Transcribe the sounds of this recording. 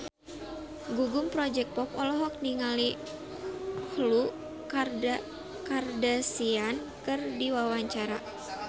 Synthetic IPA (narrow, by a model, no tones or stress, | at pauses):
ɡuɡumpɾɔd͡ʒɛk̚pɔpɔlɔɦɔk̚niŋali | hlu | karda | kardasian | kɨrdiwawaɲt͡ʃaɾa